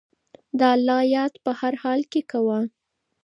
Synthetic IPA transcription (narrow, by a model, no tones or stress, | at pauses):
d̪əalːɑjɑt̪pəhaɾhɑlkekawa